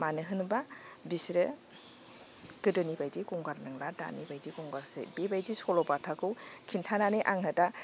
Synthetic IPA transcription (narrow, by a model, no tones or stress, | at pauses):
manɯɦɯnbabisɾɯ | kɯdɯnibajdikɔŋɡaɾnaŋlada̰nibajzikɔŋɡaɾsḛbebajzisɔlɔpatʰakɯwkʰintʰananɯʔaŋɦɯta